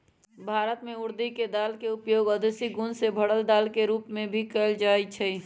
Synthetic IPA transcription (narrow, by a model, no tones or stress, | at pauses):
bʱaːɾət̪mẽʊɾd̪iked̪alkeupjoːɡəd̪esiɡunsebʱəɽəld̪alkeɾuːpmẽbʱikəld͡ʒaːɛt͡ʃʰə